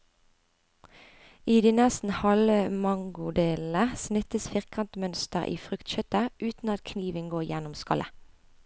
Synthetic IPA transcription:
iːd̪iːnɛst̪n̩hɑləmɑŋɡʊd̪eːləsnɪt̪əsfɪʁkʰɑnt̪mœnst̪əʁʔḭːfʁʉkt̪çœt̪əʔʉːt̪n̩ɑt̪kʰniːʋənɡoːjænʊmskɑ̰lʔə̰

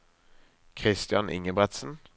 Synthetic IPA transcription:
kʰʁɪst̪jɑnʔɪ̰ŋəbʁɛt̪sn̩

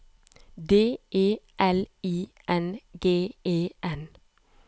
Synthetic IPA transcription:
d̪eːʔeːʔɛliː | ʔɛnɡeːeːʔɛn

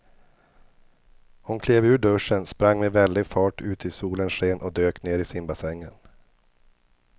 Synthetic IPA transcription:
hʊnkʰleːvʉ̟ːɖɵʂːənspɾaŋːmɛvɛld̪ɪɡfɑːʈʰʉ̟ːt̪ʰɪsuːlənʂeːnʔɔd̪øːkneːɾɪsɪmbasɛŋːən

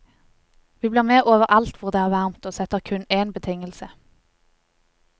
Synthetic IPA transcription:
ʋiːbliːʁmeːʔoːʋəʁʔɑlt̪ʋʊʁd̪eːæːʁʋæʁmt̪oːsɛt̪əʁkʰʉneːnbət̪ʰɪŋəlsə

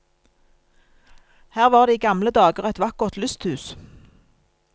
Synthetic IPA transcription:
hæːʁʋɑːʁd̪iːɡɑmləd̪ɑːɡəʁɛt̪ʋɑkəʁt̪lʉst̪hʉːs

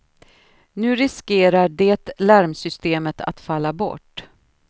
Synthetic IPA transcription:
nʉ̟ːɾɪskeːɾaɖeːt̪læɾmsʏst̪eːmət̪ʰa̰t̪falːabɔ̰ʈː

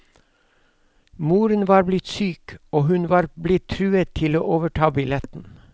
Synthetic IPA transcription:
muːɾənʋɑːɾblɪt̪syːkoːhʉnʋɑːɾblɪt̪ʰɾʉːət̪ʰɪlo̰ːʔoːʋəʈʰɑːbɪlɛt̪n̩

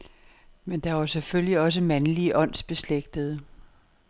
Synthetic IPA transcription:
mend̥ɑ̈ɐseføljiɒ̽s̬əmænliəʔɒ̽n̰sb̥e̝sleɡ̥d̥əð̩ˠə

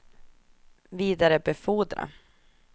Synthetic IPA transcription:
viːd̪aɾəbɛfuːd̪ɾa̰

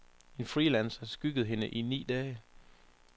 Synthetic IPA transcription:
e̝nfʁiːlænsɐsɡ̥yɡ̥əð̞̩ˠɦe̝nəʔinḭːd̥ɛː

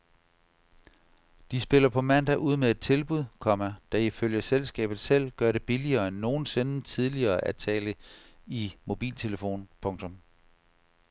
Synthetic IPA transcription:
d̥isb̥e̝l̰ɐpʰɒ̽mæn̰d̥æʔuð̞̰ˠmee̝d̥̚t͡sʰe̝lb̥uð̰ˠkʰɒ̽mæd̥æ̈iføl̰jəselsɡ̥ɛ̰ːb̥ð̩ˠsel̰ɡ̥ɶɐɾe̝b̥iliɐːenːo̝ːn̩se̝nət͡sʰið̞ˠliɐːʔæt͡sʰɛ̰ːləimo̝b̥ḭːlt͡sʰe̝ləfo̝̰ːnpʰɔ̽ŋt͡sʰɔ̽m

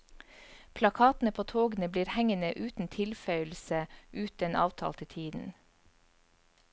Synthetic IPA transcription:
pʰlɑkʰɑːt̪n̩əpʰoːt̪ʰoːɡn̩əbliːɾhɛŋənəʔʉːt̪n̩t̪ʰɪlfœʏlsəʔʉːt̪enʔɑ̰ːʋt̪ʰɑ̰ːlt̪ʰɪt̪ʰiːd̪n̩

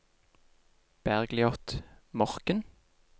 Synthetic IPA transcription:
b̥æʁɡlɪɔt̪mɔʁkən

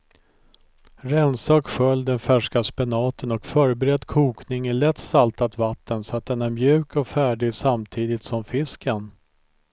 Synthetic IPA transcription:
ɾɛnsaɔkɧœld̪ɛnfæʂkaspɛnɑːt̪ʰənɔkfœːɾəbɛɾɛd̪ːkʰuːknɪŋæɭɛt̪ːsalt̪at̪vat̪ːənsɔat̪̚d̪ɛnæɾmjʉ̟ːkɔkfæːɖɪɡsamt̪ʰiːd̪ɪt̪sɔmfɪskən

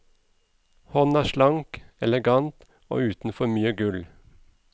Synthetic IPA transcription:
hɔnæːʃlɑŋkɛlɛɡɑnt̪ | o̰ːʉːt̪n̩fɔmyːəɡʉl

